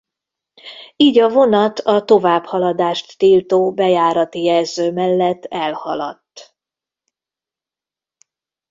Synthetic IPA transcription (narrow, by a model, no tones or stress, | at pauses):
iːɟɒvo̞nɒt̪ɒt̪o̞vaːbhɒlɒd̪aːʃt̪ːiːlt̪oːbɛjaːɾɒt̪ijɛlzøːmɛlːɛt̪ːɛlhɒlɒ̰t̪ː